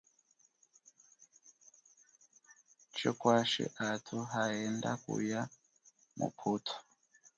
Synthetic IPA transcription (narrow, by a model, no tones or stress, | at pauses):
t͡ʃokwaʃḭʔatʰuɦaendakṵja | mṵpʰutʰo̥